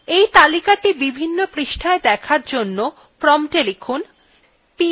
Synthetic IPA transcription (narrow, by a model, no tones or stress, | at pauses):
ejt̪alikaʈibibʱinːopɾiʃʈʰaed̪ɛkʰaɾd͡ʑonːo | pɾɔmʈelikʰun | pi